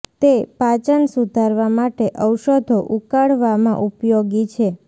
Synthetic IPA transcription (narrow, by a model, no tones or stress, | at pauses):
t̪epat͡ʃənsud̪ʱaɾʋamaʈeʔəwʃəd̪ʱoʔukaɽʋamã̰ʔupjoɡit͡ʃʰe